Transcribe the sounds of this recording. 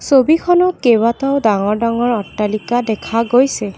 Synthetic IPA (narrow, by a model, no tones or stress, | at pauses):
sobikʰɔnɔt̚kebataʊdaŋɔɹdaŋɔɹɔtːalikadɛkʰaɡojsɛ